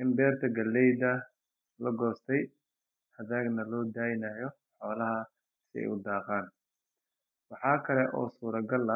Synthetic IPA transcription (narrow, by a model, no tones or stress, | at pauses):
ʔɪmbɛːrt̪ʰɐɡɐlːɛjdɐ | lɐɡɔːst̪ʰɛj | hɐðaːɡnɐlɔːd̪aːjɪnajɔ | ħɔːlɐɦɐ | sɪɛ̰jʊd̪ɑːqaːn | wɑħɑːkʰɐlɛʔɔ̰ːsuːɾɐɡɐlɐ